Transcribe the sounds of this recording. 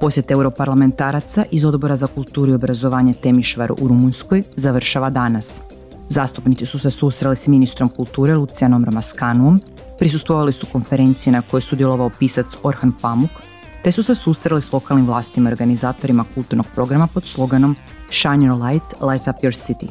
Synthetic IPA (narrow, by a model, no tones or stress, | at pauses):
po̞sjet̪ewɾo̞paɾlˠame̞nt̪aːɾat̪saʔizo̞d̪bo̞ɾazakulˠt̪uːɾuio̞bɾazo̞ʋaːɲet̪e̞miʃʋaɾṵʔuɾumunsko̞jzaʋr̩ʃaʋad̪anas | zaːst̪upnit̪sisusesust̪ɾalisminist̪ɾo̞mkulˠt̪uːɾelut̪sianomɾomaskanuo̞m | pɾis̬ust̪ʋo̞ʋalisuko̞nfe̞ɾe̞nt̪sijenako̞josud̪jelˠo̞ʋaopiːsat̪so̞ɾxanpamuk | t̪e̞susesust̪ɾalislˠo̞kalnimʋlˠaːst̪imaoɾɡanizaːt̪o̞ɾimakulˠt̪uɾno̞ɡ̚pɾo̞ɡɾamapo̞d̪slˠo̞ɡano̞m | ʃaneɾlajt̪lajsapjoɾsit̪ḭ